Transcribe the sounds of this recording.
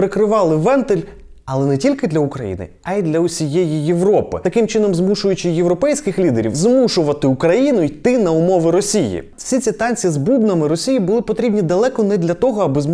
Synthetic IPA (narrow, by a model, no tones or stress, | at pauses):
ɾɪkɾɪʋɑlˠɪʋɛnt̪ɪlʲ | ɐlˠɛnɛtʲilʲkɪd̪lʲɐʊkɾɐjḭnɪ̰ɐid̪lʲɐʊsʲijɛjijeʋɾɔpɪ̰t̪ɐkɪmt͡ʃɪnɔmzmuʃʊjʊt͡ʃɪjeʋɾɔpɛjsʲkɪxlʲid̪eɾʲḭwzmuʃʊʋɐt̪ɪukɾɐjinʊit̪ɪnɐʊmɔʋɪɾɔsʲijḭ | sʲit͡sʲit̪ɑnʲt͡sʲizbubnɐmɪɾɔsʲijibʊlˠɪpɔt̪ɾʲibnʲid̪ɐlˠɛkɔnɛd̪lʲɐt̪ɔɦɔɐbɪz